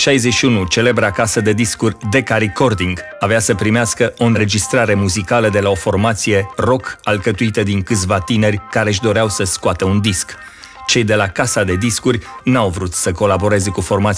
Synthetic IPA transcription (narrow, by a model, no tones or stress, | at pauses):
ʃajzet͡ʃʃiunut͡ʃe̞le̞bɾeakasəd̪e̞d̪iskurʲd̪e̞kaɾiko̞rd̪iŋɡ | aveasəpɾimeaskəʔo̞ɨnɾe̞d͡ʒist̪ɾaɾe̞muzikaləd̪e̞lao̞fo̞rmat̪sije̞ro̞kalkət̪uit̪əd̪iŋkɨt̪sʲvat̪ine̞rʲkaɾeʃ̬d̪o̞ɾeawsəskoat̪əund̪isk | t͡ʃe̞jd̪e̞lakasad̪e̞d̪iskurʲnawvɾut̪səko̞labo̞ɾe̞ze̞kufo̞rmat̪